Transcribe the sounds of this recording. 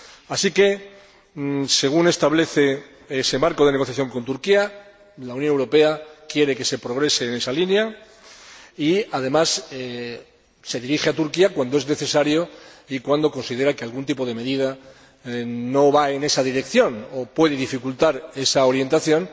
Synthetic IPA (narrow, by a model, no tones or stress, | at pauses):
asike̞ | se̞ɣ̞une̞st̪aβle̞θe̞ | e̞se̞maɾko̞ð̞e̞ne̞ɣo̞θjaθjo̞ŋko̞nt̪uɾkia | launjonewɾo̞pe̞akje̞ɾe̞ke̞se̞pɾo̞ɣ̞ɾe̞se̞ːne̞salinja | iað̞e̞mase | se̞ðiɾixeat̪uɾkiakwand̪oe̞zne̞θe̞saɾjoikwand̪o̞ko̞nsið̞e̞ɾakealɣunt̪̬ipo̞ð̞e̞me̞ðið̞a | no̞βae̞ne̞saðiɾe̞kθjo̞nopwe̞ð̞eðifikult̪aɾe̞sao̞ɾje̞nt̪aθjõ̞n